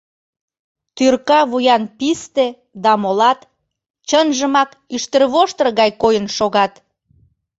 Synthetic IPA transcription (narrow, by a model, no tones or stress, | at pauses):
t̪yrkɑβujɑnpist̪e | d̪ɑmolɑt̪ | t͡ɕənʒəmɑk | yʃt̪ərβoʃt̪ərɣɑjkojənʃoɣɑt̪